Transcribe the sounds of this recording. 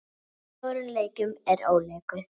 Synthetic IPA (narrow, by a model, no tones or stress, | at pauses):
ɔːɾʏleːjcʏmɛɾoːwleːjkʏ